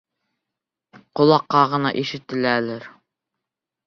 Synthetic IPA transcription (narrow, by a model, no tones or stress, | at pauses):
qŏlˠɑqːɑʁɤ̆nɑ̰ʔiʃɘ̆t̪ɘ̆lælɘɾ